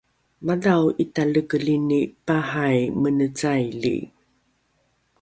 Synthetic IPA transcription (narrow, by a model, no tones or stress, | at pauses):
madawʔitaləkəlinipahajmənət͡sajlḭ